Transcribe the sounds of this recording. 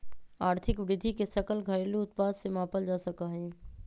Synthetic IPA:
aːɾt̪ʰɪkʋɾɪd̪ʱikesɐkəlɡʱɐɾeːluʊt̪̚paːd̪semãːpəld͡ʒaːsɐkaɦɛ̃ː

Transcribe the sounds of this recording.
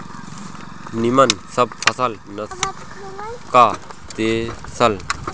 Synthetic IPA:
nimɐnsɐb̚pʰɐsɐl | nɐs | kat̪esɐl

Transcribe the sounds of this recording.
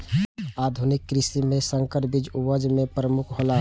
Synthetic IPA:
aːd̪ʱʊnɪkːɾɪsimẽsə̃ŋkəɾbɪd͡ʒuwəd͡ʒmẽpɾəmʊkʰɦola

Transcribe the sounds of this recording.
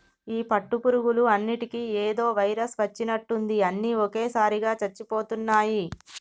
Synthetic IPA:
iːpɐʈːupuɾuɡuluɐnːiʈikieːd̪o̞ːʋɐjɾɐsʋɐt͡ʃːinɐʈːund̪iɐnːiɔke̞ːsaːɾiɡaːt͡ʃɐt͡ʃːipo̞ːt̪unːaːji

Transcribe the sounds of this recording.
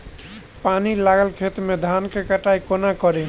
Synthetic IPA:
panilaɡəlkʰet̪med̪ʱankekəʈaikonakəɾe

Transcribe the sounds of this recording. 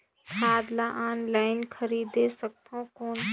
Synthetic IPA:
kʰaːd̪laʔaːnlaːɪnkʰəɾiːd̪esək̚t̪õkoːn

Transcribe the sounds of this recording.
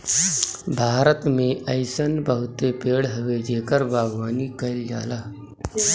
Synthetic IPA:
bʱaːɾət̪mẽʔəɪsənbəɦʊt̪epeːɽɦəʋed͡ʒeːkəɾbʱaːɡʋaːnikəɪld͡ʒa̰ːlaː

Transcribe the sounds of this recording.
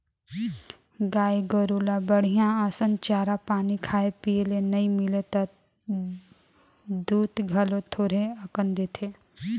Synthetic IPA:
ɡaːiɡəɾuːlabəɽ̤ijãəsənt͡ʃaːɾapaːnikʰaːepielenɐĩmɪlet̪a | d̪uːt̪ɡʱɐlõt̪ʰoːɾeəkənd̪et̪ʰe

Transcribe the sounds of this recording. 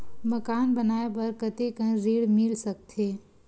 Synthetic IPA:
məkaːnbənaːepɐɾkət̪ekə̃nɾiːɽmɪlsək̚t̪ʰeː

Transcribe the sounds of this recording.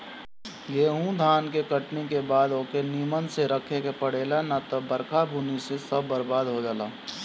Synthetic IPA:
jeːɦũd̪ʱaːnkekəʈnekebaːd̪oːkeniːmənseɾəkʰekepɐɽeːlanat̪obɐɾkʰabʱunisesɐbːɐɾbaːd̪ɦod͡ʒaːlaː

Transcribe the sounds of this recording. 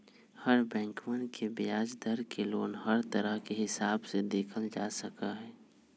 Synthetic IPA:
hɐɾbɛ̃ːŋkmə̃nkʰebɪjaːd͡ʒd̪əɾkeloːnɦɐɾt̪əɾəɦkeɦɪsaːbsed̪eːkʰəld͡ʒaːsəkaɦɛː

